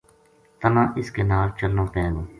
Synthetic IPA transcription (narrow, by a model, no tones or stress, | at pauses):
t̪ənãːʔɪskeːnaːlt͡ʃəlnõːpɛ̃ːɡõː